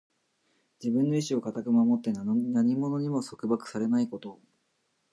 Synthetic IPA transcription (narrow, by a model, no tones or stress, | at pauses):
d͡ʑibɯ̟̃nːo̞iɕio̞kat̪akɯ̟mamo̞t̪ːe̞nnaɲ̟imo̞no̞ɲ̟imo̞so̞kɯ̟bakɯ̟̥saɾe̞naiko̞t̪o̞